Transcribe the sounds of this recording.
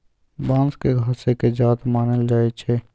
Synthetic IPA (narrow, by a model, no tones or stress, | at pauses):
bãːnskeɡʱaːseked͡ʒaːt̪maːnəld͡ʒaːet͡ʃʰɛː